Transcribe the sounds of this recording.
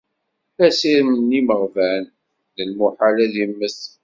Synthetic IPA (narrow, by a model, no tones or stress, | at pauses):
æsiɾmənːiməʁvæn | ðəlmuħalæðjəmːəs